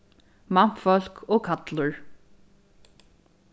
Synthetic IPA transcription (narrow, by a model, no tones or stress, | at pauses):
mam̥fɔl̥kʰoːkʰat̪ləɹ